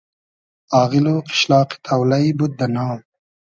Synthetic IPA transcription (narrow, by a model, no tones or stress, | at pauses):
ɑːɣɪloːqɪ̥ʃlɑːqi̥t̪ʰawlajbud̪̚ːɐnɑːw